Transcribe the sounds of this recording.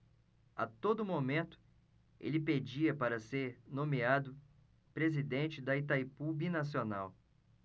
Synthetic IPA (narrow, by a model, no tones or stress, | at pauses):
a̰t̪od̪ʊmomẽnt̪ʊ̥ | ḛlɪped͡ʒiɐpaɾɐseɾnõmiad̪ʊ | pɾezid̪ẽt͡ʃɪd̪ɐit̪ajpubinas̬iona̰w